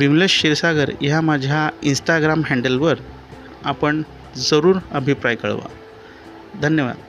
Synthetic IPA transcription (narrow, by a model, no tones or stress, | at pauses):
ʋimleɕɕiɾsaɡəɾɦamad͡ʑʱjainsʈaɡɾamɦɛ̃ɳɖəlʋəɾ | apəɳ | d͡zəɾuːɾəbʱipɾajkə̰ɭʋa̰ | d̪ʱənjəʋa̰d̪